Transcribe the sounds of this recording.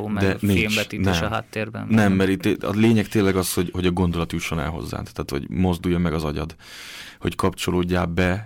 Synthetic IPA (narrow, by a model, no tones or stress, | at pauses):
d̪ɛnimt͡ʃbɛinɛʃɛɦa̰ːt̪ːeːrbɛ̰nnɛmːɛɾit̪ːɒ̰leːɲɛkt̪eːlɛɡɒsho̞ɟho̞ɟɒɡo̞nd̪o̞lɒt̪juʃːo̞nɛ̰lɦo̞̰zːa̰ːnt̪aːt̪ho̰ɟmo̞zd̪ujːɒmɛɡɒzɒɟɒ̰d̪ | ho̞̰ckɒpt͡ʃo̞loːɟːaːbɛ